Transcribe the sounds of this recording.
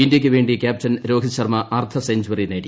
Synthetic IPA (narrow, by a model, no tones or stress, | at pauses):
indjɐk̬ʲːɨʋeːɳɖikʲjaːp̚tɐnɾo̞ːɡʱɐɕɐrmɐʔɐrt̪ʰɐseɲd͡ʑuwɐrineːɽi